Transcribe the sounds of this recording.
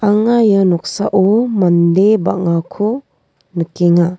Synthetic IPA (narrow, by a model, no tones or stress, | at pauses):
aŋajanɔk̚sa̰ʔɔmand̪eba̰ŋakʰo | nəkeŋa